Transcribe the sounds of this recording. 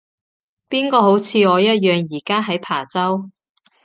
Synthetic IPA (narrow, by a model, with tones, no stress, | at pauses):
piː˥nkɔː˧ho˨˥wt͡sʰiː˨˧ɔː˨˧jɐ˥t̚jœː˨ŋjiː˨˩kaː˥ɦɐ˨˥jpʰaː˨˩t͡sɐ˥w